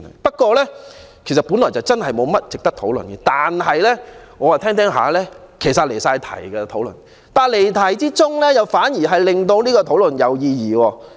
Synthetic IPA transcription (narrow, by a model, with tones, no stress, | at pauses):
pɐ˥t̚kʷɔː˧lɛː˥kʰe˨˩sɐ˨t̚pu˨˥nlɔː˨˩jt͡sɐ˨wt͡sɐ˥nhɐ˨jmo˨˧wmɐ˥t̚t͡sɪ˨k̚t̪ɐ˥k̚t̪ʰo˨˥wl̰nɡɛ˧t̪aː˨nɦɐ˨jlɛː˥ŋɔː˨˧waː˨t̪ʰɛː˥ŋt̪ʰɛː˨˥ŋɦa̰ː˨˦lɛː˥kʰe˨˩jsɐ˨t̚le˨˩jsaː˧jt̪ʰɐ̰˨˩jɡɛ˧t̪ʰo˨˥wlɵ̰˨˩n | t̪aː˨le˨˩jt̪ʰɐ˨˩jt͡siː˥t͡sʊ˥ŋlɛː˥jɐ˨wfaː˨˥njiː˨˩ɦɐ˨jlɪ˨ŋt̪o˧wniː˥kɔː˧t̪ʰo˨˥wlɵ˨˩njɐ˨wjiː˧jiː˨˩wɔː˧